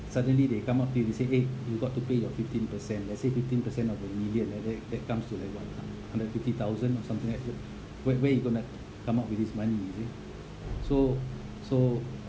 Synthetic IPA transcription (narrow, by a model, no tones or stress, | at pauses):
sadə̃nlidekãmap̚tujudeseʔejuɡɔʔtːupejɔfiftĩnpəsɛ̃nlɛtsefiftĩnpəsɛ̃nɔvəmiljə̃nladɛtdɛt̚kãmstulaɪkwathahãndətfiftit̪awzə̃nɔsãmt̪ĩŋlɛt | wɛʔwɛjuɡona | kãmaʊt̚wiθismãnise | so | so